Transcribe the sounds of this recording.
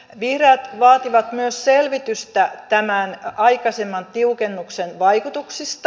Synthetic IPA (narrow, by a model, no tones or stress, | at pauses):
ʋihrɑːt̪ʋɑːt̪iʋɑt̪myøsselʋit̪yst̪æt̪æmænɑikɑsemːɑnt̪iukenːuksenʋɑikut̪uksist̪ɑ